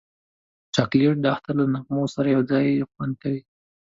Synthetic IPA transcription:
t͡ʃɑkleʈ̚d̪əaxt̪allanaqmosaɾajawd͡zɑjxwant̪awi

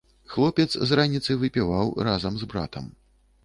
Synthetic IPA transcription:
xlˠɔpʲɛt̪szranʲit̪sɐjvɨpʲivawrazɐmzbɾa̰t̪ɐ̰m

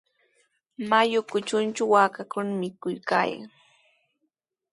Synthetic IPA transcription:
majʊkʊt͡ʃʊnt͡ʃʊwakakʊnamɪkʊjka̰ːja̰ŋ

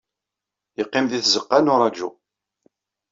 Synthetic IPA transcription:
jəqːɪmðiθzəqːanʊɾˤɑd͡ʒṵ

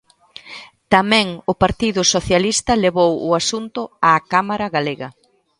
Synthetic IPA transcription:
t̪amɛ̃ŋʊpaɾt̪iðʊsoθjalist̪ɐleβowʊasunt̪ʊaːkamaɾɐɣaleɣɐ

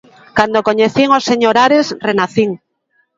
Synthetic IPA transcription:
kand̪okoɲeθiŋosːeɲoɾaɾesrenaθiŋ

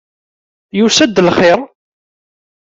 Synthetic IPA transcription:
jusæd̪ːəlχɪɾ

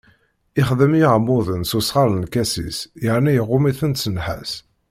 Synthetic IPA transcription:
ɪχðəmiʕmʊðˤənsusʁɑɾənkæsḭsjəʕnijəʁːʊmiθənt̪sənħæ̰s

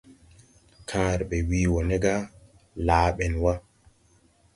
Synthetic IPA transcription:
kʰãːɾɓɛwiːwɔnɛɡa | laːɓɛnwa

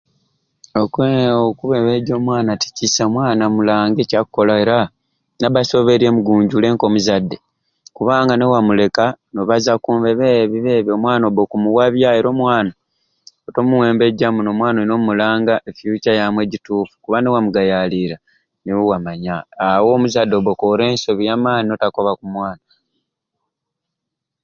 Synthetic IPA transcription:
okweokuβeβeɟo̞ːmwaːnati̥cisamwaːnamulaːŋɡecakkːolae̞ɾa | naβaso̞βe̞ɾiemuɡuːɲɟule̞ːŋko̞muzadːe̞ | kuβaːŋɡane̞wamule̞kanoβazakuːmveβeβiβeβjo̞mwaːnoβokumuwaβjae̞ɾo̞ːmwaːna | oto̞muwe̞ːmbe̞ɟamuno̞mwaːnoino̞mulaːŋɡaʔefjucajamwe̞ɟituːfu̥kuβane̞wamuɡajaliɾa | niwuwamaɲaːwo̞ːmuzadːe̞βokoɾe̞ːnso̞βijaːmaːnino̞tako̞βakumwaːna

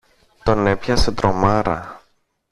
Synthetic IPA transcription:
t̪o̞ne̞pçɐset̪ɾomɐɾɐ̰

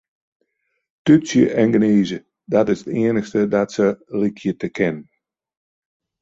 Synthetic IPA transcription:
tysjəʔɛnɡəneːzə | dɔtɪsətiənəxstədɔtsəlikʰjətəkʰɛnə

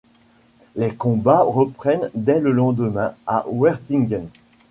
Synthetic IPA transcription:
lekɔ̃baʁəpχɛnd̪ɛləlɑ̃d̪əmɛ̃a̰ʔwɛʁt̪iŋɡən

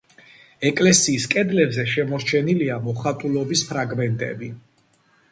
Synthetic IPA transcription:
ɛkʼlɛsiːskʼɛd̪lɛbzɛʃɛmɔɾt͡ʃʰɛniliamɔχat̪ʼulɔbispʰɾaɡmɛnt̪ʼɛ̰bi

